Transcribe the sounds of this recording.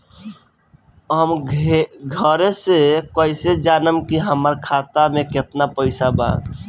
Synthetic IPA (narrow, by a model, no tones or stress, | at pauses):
ɦəm | ɡʱəɾesekoɪsed͡ʒaːnəmkiɦəməɾkʰaːt̪amẽkɪt̪napəɪsaba̰